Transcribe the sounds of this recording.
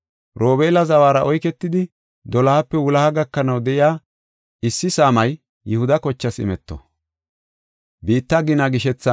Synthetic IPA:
ɾo̞ːbeːlɐzɐwaːɾɐʔɔjkɛt̪ːɪd̪ɪ | d̪ɔlɐhɐpːɛwʊlɐhɐɡɐkːɐnɐwd̪ɛʔɪjaː | ɪsːɪsaːmɐj | jɪhʊd̪ɐkɔt͡ʃːɐsɪ̰mɛt̪ːɔ̰ | biːt̪ːɐɡɪnɐɡɪʃɛt͡sːɐ

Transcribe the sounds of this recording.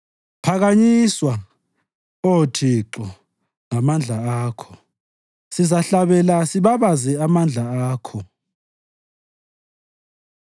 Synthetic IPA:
pʰaɣaɲiswa | otʰiǁɔ | ŋamand͡ɮʱaaːkʰɔ̥ | sizaɬaβɛlasiβaβazɛamand͡ɮʱaaːkʰɔ

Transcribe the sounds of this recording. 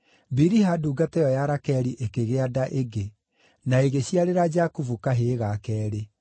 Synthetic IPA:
biɾiɦaduːɡatɛjɔjaɾakɛɾiʔekeɣeadaʔeɡe | naeɣeɕiaɾeɾad͡ʒakuvukaɦeːɣakɛːɾe

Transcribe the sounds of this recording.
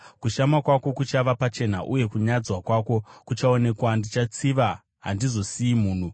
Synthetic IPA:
kuʃamakwako̞kut͡ʃaʋapat͡ʃe̞naʔuje̞kuɲad͡zwakwako̞kut͡ʃao̞ne̞kwandit͡ʃat͡siʋa | ɦandizo̞siimuːn̤u

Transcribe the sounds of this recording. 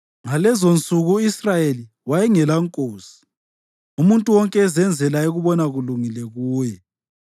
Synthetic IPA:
ŋalɛzont͡sʼuɣuisrajeli | wajɛŋɛlaŋkʼoːsi̥ | umuntʼuwɔŋkʼɛːzɛnd͡zʱɛlaeɣuβɔnaɣuluŋilɛɣuːjɛ

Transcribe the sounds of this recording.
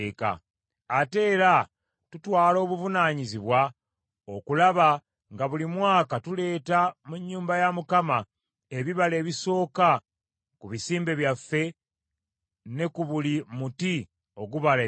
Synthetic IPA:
ka̰ː | te̞ːɾa | tutwaːlo̞ːβuvunaːɲiziβwa | o̞kulaβa | ŋɡaβulimwaːkatule̞ːtamuɲːuːmbajamukama | e̞βiβale̞ːβiso̞ːka | kuβisiːmbe̞βjafːe̞ | ne̞kuβulimuti | o̞ɡuβale

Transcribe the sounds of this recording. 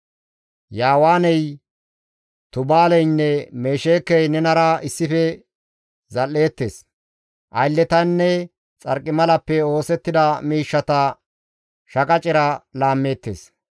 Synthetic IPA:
jaːwaːnɛj | t̪ʊbaːlɛjnːɛmeːʃeːkːɛjnɛnɐɾɐɪsːɪfɛ | zɐlːe̞ːt̪ːḛs | ʔɐjlːɛt̪ɐnːɛ | t͡sʼɐ̰ɾkʼːɪmɐlɐpːɛo̞ːsɛt̪ːɪd̪ɐmiːʃːɐt̪ɐ | ʃɐkʼɐt͡ʃʼɪɾɐlaːmːe̞ːt̪ːḛːs

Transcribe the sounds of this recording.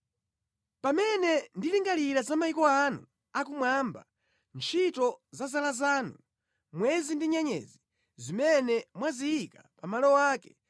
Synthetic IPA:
pamɛnɛndiliŋɡaliɾazamaikɔanṵ | akumwaːmba | nt͡ʃʰitɔzazalazaːnu | mwɛzindiɲaɲɛ̰ːzi | zimɛnɛmwazijikapamalɔwaːkɛ̥

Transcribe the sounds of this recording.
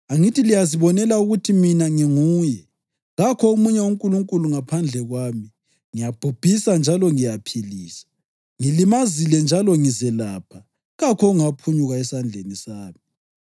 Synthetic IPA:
aŋitʰilijaziβɔnɛlauɣutʰiminaŋiŋuːjɛ | ɣakʰɔumuɲɛwuŋkʼuluŋkʼuluŋapʰand͡ɮʱɛɣwaːmi | ŋijab̥ʱub̥ʱisand͡ʒʱalɔŋijapʰiliːsḁ | ŋilimazilɛnd͡ʒʱalɔŋizɛlaːpʰa | ɣakʰɔuŋapʰuɲuɣaɛsand͡ɮʱenisaːmi

